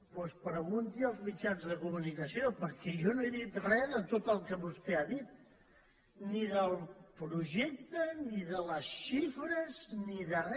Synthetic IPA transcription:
pospɾəɣunt̪iəlˠzmit͡ʃanzðəkumunikəsiopəɾkɛjɔnoeðit̪rɛðət̪ot̪əlˠkəβust̪eaðit̪̚ | niðəlˠpɾuʒɛk̚t̪əniðələsʃifɾəzniðərɛ

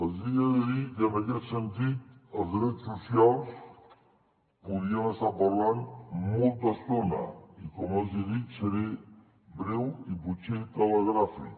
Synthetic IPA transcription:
əziəðiðikənəkɛt̪sənt̪it̪̚əlzɾɛt̪susjalˠs | puðiənəst̪apəɾlanmɔlˠt̪əst̪onə̰ikɔmaziðit̪səɾe | bɾewiput͡ʃet̪ələɣɾafḭk

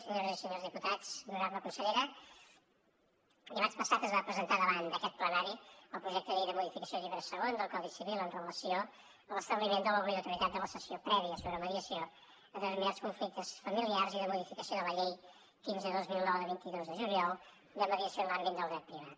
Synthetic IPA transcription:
səɲoɾəzisəɲozðiput̪at͡snunaɾməkunsəʎeɾə | imat͡ʃpəsat̪əzβapɾəzənt̪aðəβand̪əkɛt̪̚plənaɾiəlˠpɾuʒɛk̚t̪əʎejðəmuðifikəsioʎiβɾəsəɣond̪əlˠkɔðisiβilˠənrələsio | əlˠəst̪əβlimend̪ələβliəwt̪uɾit̪at̪̚d̪ələsəsiopɾɛβiəsoβɾəməðiəsio | əðəzmiaskuɱflik̚t̪əsfəmiliarziðəmuðifikəsioðələʎej | finzðəðozmilˠnɔwðəβint̪iðozðəʒuljɔlˠ | d̪əməðiəsionlambit̪̚d̪əlˠðɾɛt̪̚pɾiβat̪̚

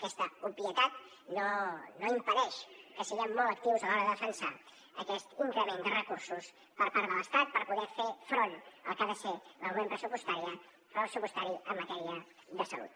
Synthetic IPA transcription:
kɛst̪əupjət̪at̪ | nonoimpəɾɛʃkəsiɣɛmːɔlˠt̪ək̚t̪iwzalɔɾəðəfənsa | əkɛst̪iŋkɾəmend̪ərəkuɾsus | pəɾpaɾðələst̪at̪̚pəɾpuðɛɾfefɾonə̰lˠkaðəseləuβempɾəsupust̪aɾiə | fɾopɾəsupust̪aɾiəmːət̪ɛɾiə | ðəsə̰lṵt̪̚

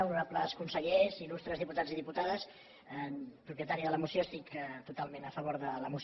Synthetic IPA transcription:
uuapləskunsəʎezilust̪ɾəzðiput̪ad͡ziðiput̪aðəs | əpɾupiət̪aɾiəðələmusjoəst̪ikt̪ut̪alˠmenəfəβoɾðələmus

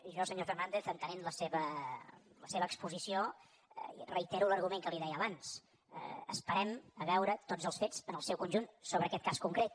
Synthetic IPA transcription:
ʒɔsəɲofərnand̪eθənt̪ənenləseβə | ləseβəːkspuzisio̰ | rəit̪ɛɾuləɾɣumeŋkəliðɛjəβans | ə̰ə̰spəɾɛməβɛwɾət̪od͡zəlˠsfet͡sənəlˠsɛwkunʒunsoβɾəːkɛt̪̚kaskuŋkɾet̪̚

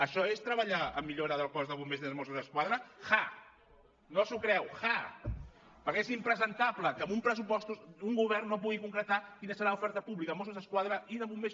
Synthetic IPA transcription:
əʃɔest̪ɾəβəʎaəmːiʎoɾəðəlˠkɔzðəβumezimosuzəskwaðɾəxa | nozukɾɛwxa | pəɾkɛezimpɾəzənt̪apləkəmumpɾəs̬upɔst̪usuŋɡuβɛrnːopuɣikuŋkɾət̪akinəsəɾaufɛɾt̪əpuβlikəmosuzəskwaðɾəiðəβume

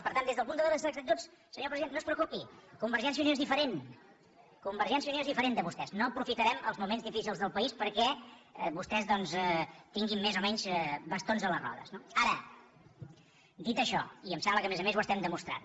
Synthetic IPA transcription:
pəɾt̪and̪ezðəlˠpund̪əðəβəsɛk̪ət̪os | səɲoɾpɾəziðennospɾəukupikumbəɾʒɛnsjiunijoezðifəɾen | kumbəɾʒɛnsjiunioezðifəɾend̪əβust̪ɛznoəpɾufit̪əɾɛməlˠzmumenzðifisilˠzðəlˠpəispəɾkɛβust̪ɛzðɔnzɛt̪iŋɡimːezomɛɲzɛbəst̪onzələrɔ̰ðə̰znoaɾə | d̪it̪əʃɔ̰iəmsɛmbləkəmezəmezwəst̪ɛmd̪əmust̪ɾa̰n

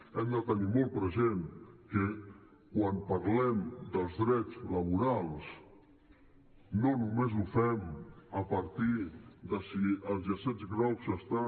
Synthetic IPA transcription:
ɛmd̪ət̪ənimɔlˠt̪̚pɾəzenkə | kwampəɾlɛmd̪əlˠzðɾɛd͡zləβ̞uɾalˠs | nonumezufɛməpəɾt̪iðəsiəlˠzəsɛd͡zɣɾawzəst̪a

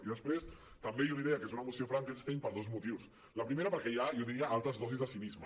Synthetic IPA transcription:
iðəspɾes | t̪əmbejoliðeəkezunəmusiofɾaŋkenst̪ejmpəɾðozmut̪iws | ləpɾimeɾəpəɾkɛjajoðiɾiəʔalˠt̪ɾəzðɔzizðəsinizmə

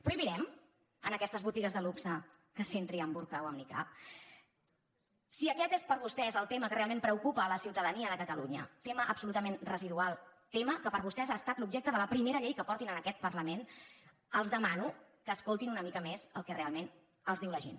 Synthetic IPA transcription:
pɾuiβiɾɛm | ənəkɛst̪əzβut̪iɣəzðəluksə | kəsent̪ɾiəmbuɾkawəmnika̰p̚ | siəkɛt̪espəɾβust̪ɛzəlˠt̪eməkərealˠmẽmpɾəukupəːləsiwt̪əðəniəðəkət̪əluɲə̰t̪eməʔəpsulut̪əmenrəziðualˠt̪eməkəpəɾβust̪ɛzaːst̪at̪lub̚ʒɛk̚t̪əðələpɾimeɾəʎejkəpɔɾt̪inənəkɛt̪̚pərləmen | əlˠzðəmanukəːskolˠt̪inunəmikəmezəlˠkɛrealˠmen | əlˠzðiwləʒḛn

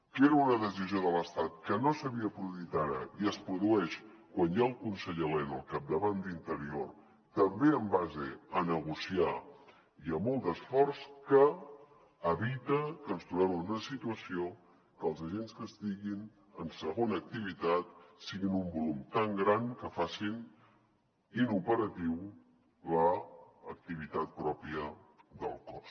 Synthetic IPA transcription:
keɾəunəðəz̬izioðələst̪at̪̚kənosəβiəpɾuðuit̪aɾə̰iəspɾuðuɛʃkwanjaəlˠkunsəʎelɛnəlˠkap̚d̪əβand̪int̪əɾior | t̪əmbeəmbazḛənəɣusia | iəmɔlˠd̪əsfɔrskəː | βit̪əkənst̪ɾuβɛmənunəsit̪uəsio | kəlˠzəʒenskəst̪iɣin | ənsəɣonəːk̚t̪iβ̞it̪at̪̚siɣinumbulumt̪aŋɡɾankəfasin | inupəɾət̪iw | ləːk̚t̪iβ̞it̪at̪̚pɾɔpiəðə̰lˠkɔs

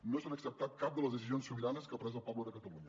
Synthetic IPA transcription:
nosonəksəp̚t̪at̪̚kap̚d̪əlˠəzðəs̬izionsːuβiɾanəskəpɾɛzəlˠpɔβləðəkət̪əluɲə

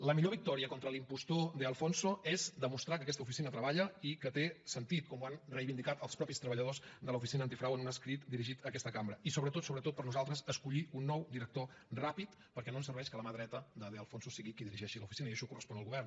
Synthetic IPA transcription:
ləmiʎoβik̚t̪ɔɾiəkɔnt̪ɾəlimpust̪od̪eəlˠfonsoɛzd̪əmust̪ɾakəkɛst̪əufisinət̪ɾəβaʎəikət̪esənt̪it̪̚kɔmuanrəjβind̪ikat̪əlˠspɾɔpist̪ɾəβəʎəð̞ozd̪ələufisinəːnt̪ifɾawənunəskɾit̪d̪iɾiʒit̪əkɛst̪əkambɾəisoβɾət̪ot̪soβɾət̪ot̪̚pəɾnuzalˠt̪ɾəzəskuʎiunːɔwd̪iɾək̚t̪o | rapit̪ | pəɾkɛnoənsərβɛʃkələməðɾɛt̪əd̪əðeəlˠfonsosiɣikiðiɾiʒɛʃiləufisinəiəʃɔkurəspɔnəlˠɣuβɛrn

